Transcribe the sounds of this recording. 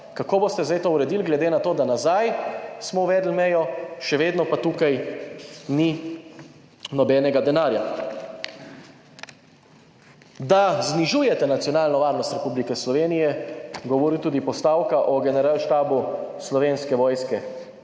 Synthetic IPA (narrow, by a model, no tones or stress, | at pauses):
kakoːbost̪ɛzd̪ajt̪ouɾɛd̪ilɡlɛd̪enat̪oːd̪anazajsmɔuʋɛːd̪l̩mɛjɔʃɛʋeːd̪nɔpat̪uːkaj | ni | nɔbɛnɛɡad̪ɛnaːɾja | d̪azniʒuːjɛt̪ɛnat̪sijɔnaːlnɔʋaːɾnɔst̪ɾɛpublikɛslɔʋeːnijɛɡɔʋɔɾit̪uːd̪ipɔst̪aːwkaʔɔɡɛnɛɾalʃt̪aːbuslɔʋenskɛʋɔːjskɛ